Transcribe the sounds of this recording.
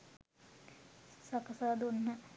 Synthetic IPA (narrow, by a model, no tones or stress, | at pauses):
sakəsaːd̪unːə